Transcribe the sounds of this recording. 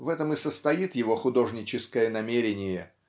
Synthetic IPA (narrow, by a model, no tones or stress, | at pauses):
vɛt̪əmɨsəst̪ɐjit̪jɪvo̞xʊd̪o̞ʐnʲɪt͡ɕɪskəjənɐmʲeɾʲɪnʲɪjə